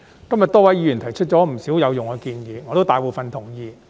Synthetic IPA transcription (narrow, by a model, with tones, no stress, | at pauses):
kɐ˥mjɐ˨t̪ɔː˥wɐ˨˥jiː˧jy˨˩nt̪ʰɐ˨˩jt͡ʃʰɵ˥t̚t͡ɕɔː˨˥m̩˨˩siː˨˥wjɐ˨˧wjʊ˨ŋhɔ˨˧kiː˧njiː˨˧ŋɔː˨˧t̪o˥wt̪aː˨˧jpuː˨fɐ˧nt̪ʰʊ˨˩ŋjiː˨˧